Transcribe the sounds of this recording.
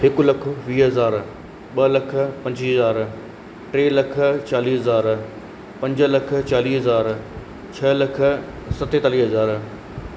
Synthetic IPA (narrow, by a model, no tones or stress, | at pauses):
ɦɪklɐkʰə̆ʋiːɦɐzaːɾ | ɓɐlɐkʰə̆pɐ̃ɲd͡ʑiːɦəzaːɾ | ʈɾeːlɐkʰə̆t͡ɕaːliːɦɐzaːɾ | pɐ̃ɲd͡ʑəlɐk̆ʰt͡ɕaːliːɦɐzaːɾ | t͡ɕʰɐlɐkʰə̆ | sɐt̪eːt̪aːliːɦɐzaːɾ